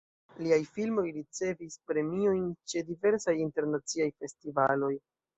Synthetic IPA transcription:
liajfilmo̞jɾit͡se̞vispɾe̞mio̞jnt͡ʃe̞dive̞ɾsajinte̞ɾnat͡siajfe̞stivalo̞j

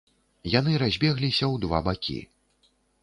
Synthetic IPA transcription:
jan̪ɨɾazʲbʲɛɣlʲisʲɐwd̪va̰bakʲḭ

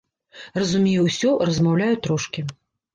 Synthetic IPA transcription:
rɐzumʲejɛwsʲɔrɐzmawlʲajɛt̪ɾɔʂkʲi

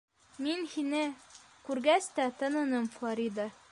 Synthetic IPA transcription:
minhinɘkʉɾɡæst̪æt̪ɤ̆nɤ̆nɤmflˠoɾʲid̪ə

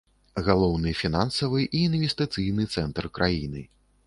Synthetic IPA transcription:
ɣalˠɔwnɨfʲinansɐvɨʔiːnvʲɛst̪ɨt̪sɨjnɨt̪sɛnt̪rkɾʔajinɨ̰

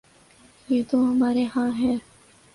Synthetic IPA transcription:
jeːt̪oɦɐmaːɾeɦãːɦɛ̃ː

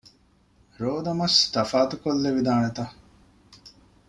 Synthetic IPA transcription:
ɾoːd̪ɐmɐst̪ɐfaːt̪ukolːeʋid̪aːɳet̪ɐ

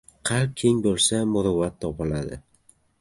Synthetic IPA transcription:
qʰɑlp̚kʲʰe̞ŋbolˠsamʊɾʊvat̪ʰːɒpɪlad̪ɪ̰

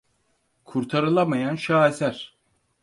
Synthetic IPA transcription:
kʰuɾt̪ʰaɾɯlˠamajanʃaːesæɾ̥

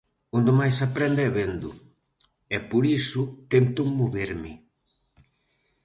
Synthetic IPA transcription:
ũnd̪emajsapɾɛnd̪ɛβend̪ʊ̰ | ɛpoɾisut̪ent̪umoβeɾmɪ

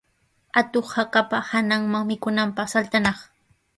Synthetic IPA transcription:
at̪oχhakapahanaŋmaŋmɪkʊnampɑχsalt̪anɑχ

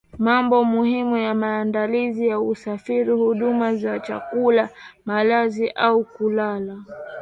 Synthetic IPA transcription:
mambɔmuhimujamaːndalizijausafiɾihuɗumazat͡ʃa̰kulamalaziʔaukulala

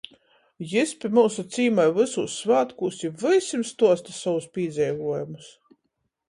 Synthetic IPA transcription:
jɨsʲpʲimuwsut̪siːmajvɨsuːsvaːt̪kuːsʲivɨjsʲimst̪uɔst̪asawuspʲiːd̪zʲɛjvuɔjumus

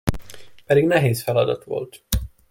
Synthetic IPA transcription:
pɛd̪iɡnɛɦeːsfɛlɒd̪ɒt̪ʋo̞̰lt̪

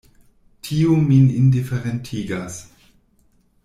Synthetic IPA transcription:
tʰiominɪndifɛʁɛntʰiːɡas

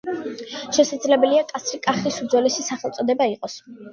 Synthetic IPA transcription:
ʃɛsad̪zlɛbɛliakʼat̪sʰɾikʼaχlisud̪zɔlɛsʃisaχɛlˠt̪sʼɔd̪ɛbaiqʼɔs

